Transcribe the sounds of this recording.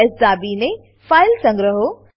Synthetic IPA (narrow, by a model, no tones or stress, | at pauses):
ɪsd̪aːbine | faːɪlsɐ̃ŋɡɾəɦo